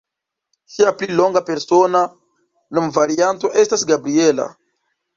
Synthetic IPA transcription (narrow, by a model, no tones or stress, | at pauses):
ʃiaplilo̞ŋɡape̞ɾsona | numvaɾianto̞ʔe̞stasɡabɾie̞la̰